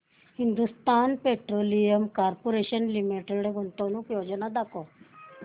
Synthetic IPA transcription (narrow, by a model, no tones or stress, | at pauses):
hind̪ust̪aːnpeʈɾoːlijəmkaːɾpoɾeʃənlimiʈeɽɡʱunt̪onukjoːd͡ʒənad̪ako